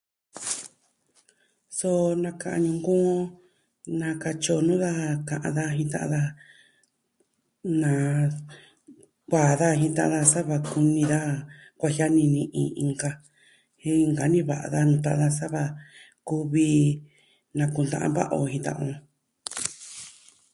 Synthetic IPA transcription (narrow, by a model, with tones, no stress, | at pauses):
so˦nã˧kã˧˨ã̰˧ɲũ˧ŋɡõ˦ | nã˧ka˧t͡ʃo˧nũ˦ða˦kã˧ʔã̰˧ða˦ɦĩ˧t̪ã̰˧ʔã̰˧ða˧ | nã˨ | kʷaː˨ða˦ɦĩ˧t̪ã̰˧ʔã̰˧ða˧sa˦βa˧ku˧nĩ˧ða˦kʷa˧hja˦nĩ˧nĩ˧ʔĩ˧ĩ˧ŋɡa˧ | hĩ˦˧ŋɡa˨nĩ˦βa̰˨ʔa̰˧ða˦nũ˧t̪a˧˦ʔã˧ða˧sa˦βa˧ | ku˦βi˧ | nã˧ku˧nd̪ã̰˧ʔã˧βa̰˦ʔo̰˧hĩ˧t̪ã̰˧ʔõ˧